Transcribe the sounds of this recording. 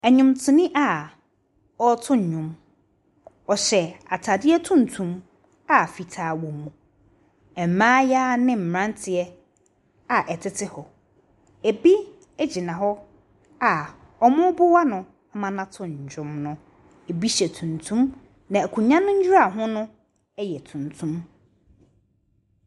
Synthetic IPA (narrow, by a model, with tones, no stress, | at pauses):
ɛ˨ɲʊ̃˨mtʰʊ̃˨nĩ˦ʔa˨ | ɔ˦tʰʊ̃˦ɲ̩˨ɲᶣʊ̃˨m | ɔ˨ɕɛ˨a˨tʰa˨dɪ˦ɛ˦tʰũ˦n˨tʰũ˨m | a˨fi˨tʰaː˨˦˨wõ˨mũ˨ | ɛ˨m̩˨mãː˦jaː˦nɪ̃˦m̩˨ɾã˦ntʰɪ˨ɛ˦ | a˨ʔɛ˨tʰɪ˦tʰɪ˦hɔ˨ | e˨bi˦ | ɛ˦d͡ʑi˨nã˨ɦɔ˦ | a˨ | ɔ˨mʊ̃˦bʊ˦wa˦nʊ̃˨ | a˦mã˨nã˦tʰʊ̃˦˨ɲ̩˨d͡ʑᶣʊ˦mnʊ̃˦ | e˨bi˦ɕɛ˨tʰũ˨n˨tʰũ˦m | nã˨æ˨kʰũ˨ɲã˦nʊ̃˦ɲ̩˦d͡ʑᶣʊ˦ɾa˨ɦʊ̃˦nʊ̃˦ | ɛ˦jɛ˨tʰũ˨n˨tʰũ˦m